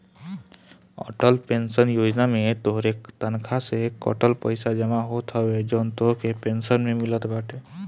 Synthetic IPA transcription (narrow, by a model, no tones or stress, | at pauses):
ɔ̰ːʈəlpẽnsənjoːd͡ʒnamẽt̪oɦɾet̪ənkʰasekɔ̰ʈəlpəɪsad͡ʒəmaɦot̪ʰɦəwed͡ʒoːnt̪oɦkepensənmẽmɪlət̪baːʈʰe